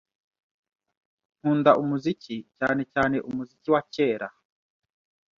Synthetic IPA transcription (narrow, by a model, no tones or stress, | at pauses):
ŋ̥uːndaʔumuzicica̰ːne̞caːneʔumuziciwaceːɾa